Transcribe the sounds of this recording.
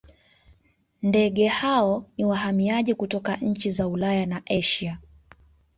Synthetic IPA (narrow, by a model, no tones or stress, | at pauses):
ndɛɠɛhaɔniwaɦamiaʄikutɔkaɲ̩t͡ʃizaulajanaʔɛʃa